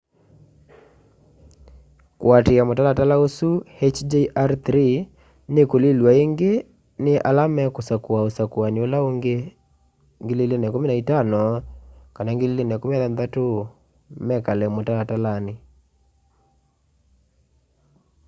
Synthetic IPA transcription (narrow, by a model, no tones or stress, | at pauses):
kw̰atɪamotalatalaosuhet͡ʃd͡ʒeʔaɾt̪ɾi | nekolilwaeŋɡe | nɪʔa̰lamɛkosakwaosakwanolaoŋɡe | ŋɡelelenɛkomenaitanɔkanaŋɡɪlelenɛkomeaðanðato | mɛkalɛmotalatalanɪ